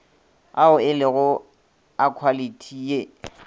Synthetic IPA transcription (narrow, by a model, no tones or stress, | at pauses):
aʊɪlɪɣʊ | akʰwalitʰiːje